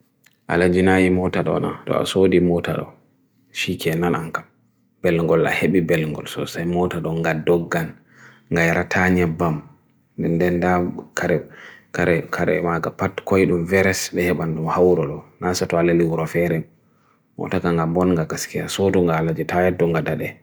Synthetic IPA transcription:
ʔa̰lad͡ʒinajimɔtaɗɔ̰na̰tɔ̰a̰sodimɔta̰ɗɔ̰ | ʃikʰɛnanaŋkam | b̥ɛlŋɡɔla̰heɓibɛlŋɡɔ̰lsɔ̰sajmɔtaɗɔŋɡadɔɡːan | ŋɡajaɾatʰaɲabam | dɛndɛndakʰaɾɛkaɾɛkʰaɾɛ̰maɡapatkɔjɗumvɛɾɛsbɛhɛɓanɗumhawɾɔɗɔnasatɔalaliwuɾɔfɛɾɛ | mɔ̰takaŋɡambɔnŋɡakaskɛasoduŋɡalad͡ʒitajɛdɔŋɡadaɗɛ

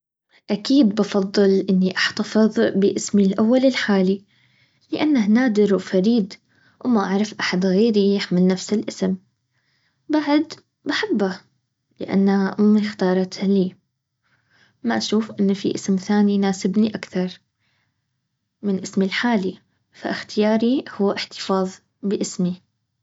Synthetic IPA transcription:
ʔakiːd̪bɑfɑðˤːɨlʔɪnːiʔaħt̪afɨðˤbɪʔɪsmilʔawːalɪlħaːli | lɪʔanːahnaːd̪ɪɾwfaɾiːd̪ | wmaʔaʕɾˤɑfʔaħad̪ɣeːɾijɪħmɪlnafsɪlʔɪsm | baʕd̪ | baħabːa | lɪ̰ʔa̰nːaɪnxt̪ɑːɾˤɑt̪hliː | maʔaʃuːfʔɪnːfḭʔɪsmθaːninaːsɪbniʔakθɑɾˤ | mɪnʔɪsmilħaːli | fa̰ʔɪxt̪ɪjɑːɾihʊwːʔɪħt̪ɪ̥fɑːðˤ | bɪʔɪsmi

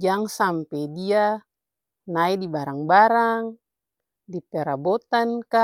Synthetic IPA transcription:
d͡ʒaŋsampɛdia | naidibaɾaŋbaɾaŋ | dip̪eɾabot̪anka

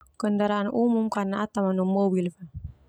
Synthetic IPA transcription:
kəndaɾaʔanumumkarnaʔat̪amanumobilfan

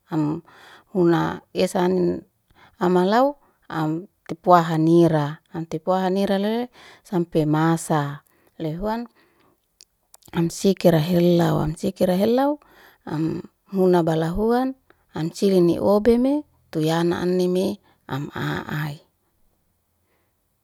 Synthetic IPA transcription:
am | hunaesanin | amalau | amt̪epuaɦaniɾaːmt̪epuaɦaniɾalele | sampemasa | leɦuan | amsikiɾaɦelːawa̰msikiɾaɦelːau | am | hunabalaɦuan | amt͡ʃilinḭʔobeme | t̪ujana̰ʔa̰nːime | a̰ma̰ʔai

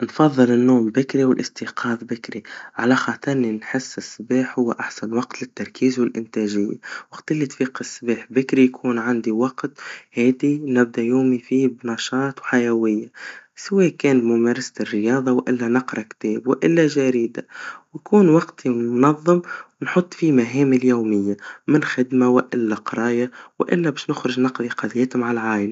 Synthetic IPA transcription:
nfɑðˤːɨlɪnːoːmbɪkɾiwɪlʔɪst̪iːqʰɑːðbɪkɾiʕalaxaːt̪ɑɾninħɪsːɪsːɪbaːħhʊwːaʔaħsanwɑqt̪lɪt̪ːɑɾˤkʰiːzwɪlʔɪnt̪æːʒɪjːa̰wɑqt̪ɪlːit̪fiːqɪsːɪbaːħbɪkɾijkʰuːnʕand̪iwɑɡt̪haːd̪inɪb̚d̪ajoːmifiːbnɑʃɑːt̪wħajawɪjːaswɛːkɛːnbmʊmæːɾˤɑsrːɪjɑːðˤɑwʔɪlːænɑqɾˤɑkt̪ɛːbwɪʔɪlːæʒaɾiːd̪awjkuːnwɑɡt̪ʰimnɑðˤːɨmwnħʊt̪ˤːfimaɦɛːmɪljoːmɪjːamɪnxɪd̪mawɪʔɪlːaqɑɾˤɑːjawʔɪ̰lːæbɛːʃnʊxɾɪʒnɑqðˤiqɑd̪jɛːt̪maʕalʕaːjla

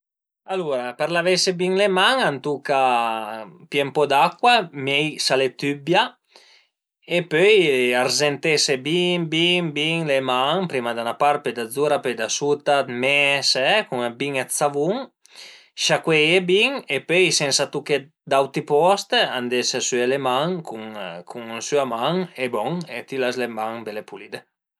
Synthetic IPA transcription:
aluɾapɛɾlavesebiŋlemaŋant̪uka | pjɛmpɔd̪akːwamɛjsalet̪ybja | epøjarzent̪esebibiŋbiŋlemaŋpɾimad̪anapaɾped̪ad̪zuɾapøjd̪asut̪at̪mɛsɛkuŋabiŋasavuŋ | ʃakwejebiŋepøjsɛnsat̪uke | d̪awt̪ipɔst̪and̪esesyelemaŋkʰuŋkʰuŋnsyamaŋebɔŋet̪ilaslemaŋb̪elepulid̪e

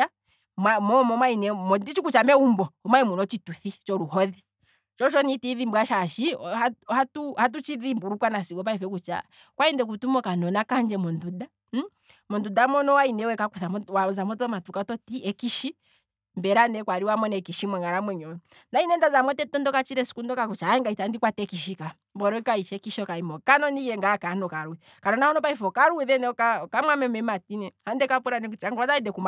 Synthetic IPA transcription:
a | mamɔmɔmainɛmɔdit͡ʃikut͡ʃamɛumbɔɔmwaimunɔt͡ʃituθit͡ʃɔɾuhɔði | t͡ʃɔʃɔnitiðimbwaʃaʃiahatuhat̬ut͡ʃiðimbuɾukwanasiɡɔp̬aɛfɛk̬ut͡ʃa̰ | kwaindɛk̬utumɔkanɔnakaɲd͡ʒɛmɔnduda | mɔndudamɔnɔwainɛwɛkakuθamwazamɔtɔmatukatɔtiɛkiʃi | mbɛɾanɛkwaɾiwamɔnɛkiʃimwɛŋɡaɾamwɛɲɔ | ndainɛndazamwɔtɛtɔndɔkat͡ʃiɾɛsu̥kundɔkakut͡ʃaaɛŋɡaitandikwatɛkiʃika | mbɔɾɔkait͡ʃɛkiʃɔkaimɔkanɔnijɛŋɡakanɔkaɾuwɛ | kanɔnahɔnɔpaifɔkaɾuɛðɛnɛkakamwamɛmɛmatinɛhandɛkapuɾanɛkut͡ʃaŋɡaðaidɛkumb

